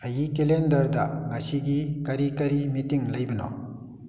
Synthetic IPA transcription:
ɐjikelendɐɾdɐŋɐsiɡikɐɾikɐɾimitiŋlɐjbɐnɔ̰

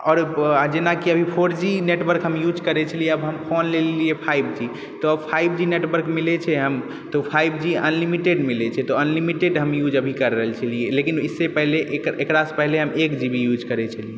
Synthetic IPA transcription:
ɔːɾd͡ʒenakiəbʱipʰoɾd͡ʒineʈwəɾkɦəmjud͡ʒkəɾɛt͡ʃʰəlijeəbɦəmpʰonleliepʰaibʱd͡ʒi | t̪ɔpʰaibʱd͡ʒineʈbəɾkmilɛt͡ʃʰɛɦəm | t̪ɔpʰaibʱd͡ʒiə̰nlimiʈeɖmilɛt͡ʃʰɛt̪ɔənlimiʈeɖɦəmjud͡ʒəbʱikəɾːəɦəlt͡ʃʰəlielekinisːepəɦleʔekɾaspəɦleɦəmekd͡ʒibʱijud͡ʒkəɾɛt͡ʃʰəlie

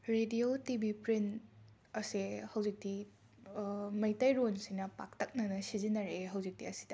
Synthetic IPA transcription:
ɾediotibʱipɾin | ɐsehɐwzik̚ti | mɐjtɐjɾonsinɐpa̰k̚tɐk̚nɐnɐsizinɐɾeɦɐwzik̚tiɐsi̥dɐ

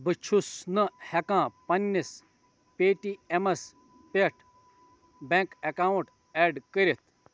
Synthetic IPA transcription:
bɨt͡ʃʰusnɨhɐkãːpɐnːis | peːʈiemɐs | peʈʰ | bẽːkɐkaːuʈ | ɛːɖkəɾit̪̚ʰ

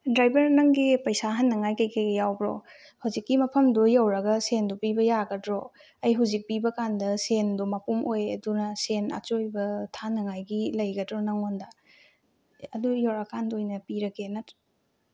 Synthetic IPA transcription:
dɾajbɐɾnɐŋɡipɐjsaɦanːɐŋajkɐjkejɡɐjawbɾo̰ | hɐwzikːimɐpʰɐmdujɐwɾɐɡɐsendupibɐjaɡɐdɾo | ɐjɦuzik̚pibɐkandɐsendumɐpumʔojɐ̰dunɐsena̰t͡ʃojbɐtʰanɐŋajɡilɐjɡɐdɾonɐŋondɐ | ɐdujoɾɐkandojnɐpiɾɐkenat

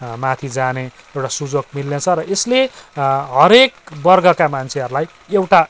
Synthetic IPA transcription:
mat̪ʰid͡zane | ewʈasud͡zokmilːet͡sʰʌɾʌʔesleɦʌɾekbʌrɡʌkamant͡sʰeɦʌɾulaj | ewʈa

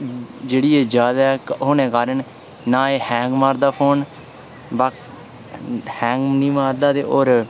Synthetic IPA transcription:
d͡ʒeːɽiːeːd͡ʒjaːd̪aɛːkɦʊnẽːkaːɾəɳ | naːeːhɛ̃ːŋɡmaːɾd̪aːpʰoːn | bak | hɛ̃ːŋɡnĩːmaːɾd̪aːt̪ḛːʔoːɾ

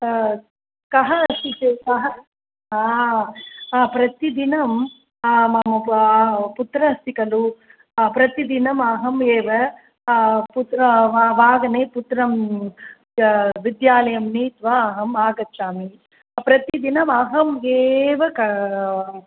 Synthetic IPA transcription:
kɐɦɐɐst̪ikekɐɦɐ | aː | pɾɐt̪id̪inɐm | mɐmɐ | put̪ɾɐɐst̪ikɐlu | pɾɐt̪id̪inɐmɐɦɐmeːʋɐ | put̪ɐʋaːɡɐneːput̪ɾɐm | ʋid̪jaːlɐjɐmniːt̪ʋaːɐɦɐmaːɡɐtːt͡ʃaːmi | pɾɐt̪id̪inɐmɐɦɐmeːʋɐkɐ

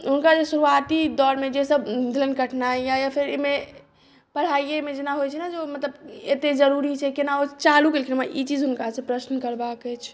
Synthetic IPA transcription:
ɦunkad͡ʒesuɾuat̪id̪ɔɾmed͡ʒesəbd̪ʱilənkəʈʰnajjajapʰiɾeme | pəɽ̤aijemed͡ʒenaɦojt͡ʃʰɛnad͡ʒomət̪ləbet̪ed͡ʒəɾuɾit͡ʃʰɛkenaot͡ʃaluklekinmaʔit͡ʃid͡ʒɦunkasə̃pɾəsnkəɾbakɛt͡ʃʰ

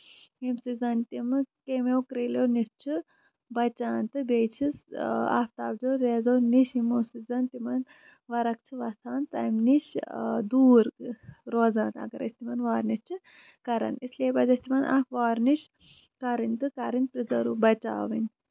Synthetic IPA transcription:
imsizɐnt̪imɨkemewkɾelownist͡ʃʰɨ | bɐt͡ʃaːnt̪ɨbʲet͡ʃʰisa̰ːft̪aːbd͡ʒoːɾeːzoːniʃimosizɐnt̪imɐn | ʋɐɾɐk̚t͡ʃʰiʋɐt̪ʰaːnt̪ɐmniʃd̪uːɾɾoːzaːnɐ̰ɡɐɾɐ̰sʲt̪imɐnʋaːɾnist͡ʃʰɨ | kɐɾɐ̰nislieːbɐzɐsʲt̪imɐnʔa̰ːfʋaːɾniʃ | kɐɾɨnʲt̪ɨkɐɾinpɾizɐɾuːbɐt͡ʃa̰ːʋinʲ

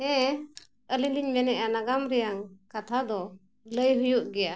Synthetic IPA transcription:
ɛ̃ | əliliɲbɛnɛʔanaɡamɾɛjaŋkat̪ʰad̪ɔ | ləjɦujuʔɡɛja

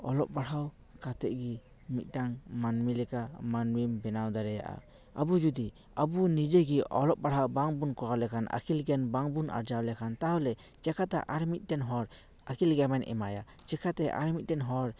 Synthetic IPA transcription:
ɔlɔp̚baɽaw | kat̪ɛ̰ʔɡi | mit̪̚ˀɖaŋmanmilɛkamanwimbɛnawd̪aɾɛja̰ʔa̰ | abud͡ʒud̪i | abunid͡ʒeɡiɔlɔp̚baɽawbaŋbunkɔɾawlɛkʰanʔa̰kʰilɡɛnbaŋbunʔa̰ɾd͡ʒawlɛkʰant̪aɦɔlɛt͡ʃɛkʰat̪aʔaɽmit̪̚ˀdɛnɦɔɾ | akilɡɛmɛnʔɛ̰maja | t͡ʃɛkʰat̪ɛʔa̰ɾmit̪̚ˀdɛnɦɔɾ

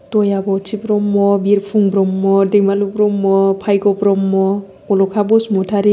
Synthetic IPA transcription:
tɔjabɔt͡ʃʰipɾɔmːɔbiɾpʰuŋbɾɔmːɔdeŋmalubɾɔmːɔpʰajɡɔpɾɔmːɔ | kɔlɔkʰabɔsmɔtʰaɾi

